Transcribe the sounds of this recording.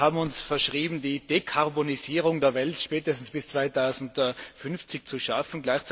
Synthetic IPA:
haːbm̩ʊnsfɛɐʃʁ̥iːbm̩diːdekʰaʁboniziːʁʊŋdeːɐvɛltʃpɛːtəstn̩sb̥ɪst͡sv̥aɪtʰaʊzn̩tfʏnft͡sɪçt͡suʃafn̩ɡlaɪçt͡s

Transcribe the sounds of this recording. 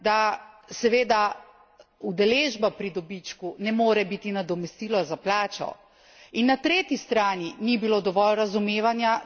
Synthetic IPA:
d̪asɛʋeːd̪a | ud̪ɛleːʒbapɾid̪ɔbit͡ʃkunɛmoːɾɛbit̪inad̪ɔmɛst̪iːlɔzaplaːt͡ʃɔ̰ | inːat̪ɾeːt̪ist̪ɾaːninibilod̪ɔʋɔlɾazumeːʋanja

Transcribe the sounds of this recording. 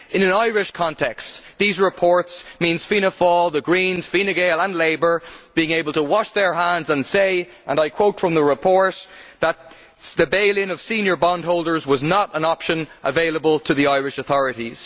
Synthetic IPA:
ɪ̃nə̃naɪɹɪʃkʰɑ̃ntʰɛkstðizɹɪpʰɔɹtsmĩnz̥fiñəfɔlˠðəɡɹĩnz̥finɨɡeɪlˠə̃nleɪbə˞b̥iɪ̃ŋeɪbəl̩ˠtʰəwɑʃðə˞ɦãndzə̃nseɪ | ʔə̰̃naɪkʰw̥oʊtfɹʌ̃mðəɹɪpʰɔɹtðət̪̚ | ðəbeɪlˠɪ̃nʌv̥sĩnjə˞bɑ̃nd̚ɦoʊlˠdə˞zwɒznəɾə̃nɑpʃə̃nʔəveɪləbəlˠtʰəðiaɪɹɪʃəθɔɹɨɾiz̥

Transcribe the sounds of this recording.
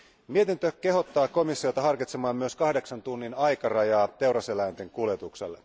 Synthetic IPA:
miet̪int̪øke̞ɦo̞t̪ːɑːko̞misːiot̪ɑɦɑrkit̪semɑːmmyøskɑhde̞ksɑnt̪unːinɑjkɑrɑjɑːt̪e̞wrɑselæjnt̪eŋkuljet̪uksḛlːe

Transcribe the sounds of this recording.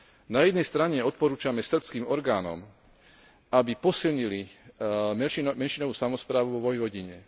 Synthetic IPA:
najɛd̪nɛjst̪ɾaɲɛɔt̪̚pɔɾuːt͡ʃamɛsr̩pskiːmɔɾɡaːnɔ̰m | ʔabipɔsilɲili | mɛnʃimɛnʃinɔʋuːsamɔspɾaːʋuʋɔʋɔjʋɔɟiɲɛ

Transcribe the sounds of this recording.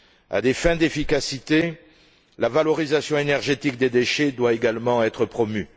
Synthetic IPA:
a̰d̪efɛ̃d̪efikasit̪e | lavalɔʁizasjɔ̃enɛʁʒet̪ikd̪ed̪eʃed̪waeɡalmɑ̃ɛt̪χəpχɔmy

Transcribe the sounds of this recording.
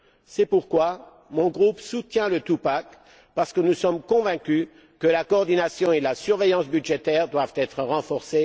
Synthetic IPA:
sɛpuʁkwa | mɔ̃ɡʁupsut̪jɛ̃lət̪upak | paʁsə̥kənusɔmkɔ̃vɛ̃kʲy | kəlakɔːʁd̪inasjɔ̃elasyʁvejɑ̃sbyd̪ʒet̪ɛʁd̪wavt̪ɛt̪χəʁɑ̃fɔʁse

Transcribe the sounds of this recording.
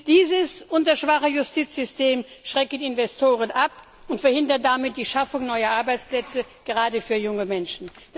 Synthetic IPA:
d̥iːzəsʔʊntɐʃv̥aχəjʊstʰiːt͡sz̥ʏsteːmʃʁ̥ɛkənɪnvɛstʰoːʁənʔap | ʊntfɛɐhɪndɐndamɪt̚d̥iːʃafʊŋnɔʏɐʔaɐbaɪt͡splɛt͡səɡ̥əʁaːdəfyːɐjʊŋəmɛnʃn̩ | d̥

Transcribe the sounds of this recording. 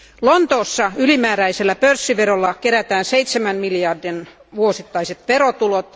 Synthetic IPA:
lont̪oːsːɑylimæːɾæiselːæpørsːiʋerolːɑkeɾæt̪æːnseit̪semænmiljɑrdin | ʋuosit̪ːɑiset̪ʋeɾot̪ulot̪

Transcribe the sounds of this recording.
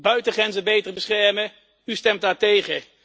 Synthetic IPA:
bœɥtəχrɛnzəbejtərbəsχɛɹmə | ystɛmt̚daːɹtejχə

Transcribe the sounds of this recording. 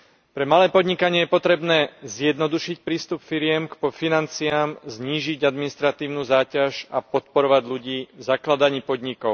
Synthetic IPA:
pɾɛmalɛːpɔd̪ɲikaɲɪɛjɛpɔt̪ɾɛbnɛːzjɛd̪nɔd̪uʃic̚pɾiːst̪upfiɾɪɛmkpɔfinant͡siaːmzɲiːʒiɟad̪minist̪ɾat̪iːʊnuːzaːcaʒapɔt̪̚pɔɾɔʋaɟʎuɟiːvzaklad̪aɲiːpɔd̪ɲikɔʊ

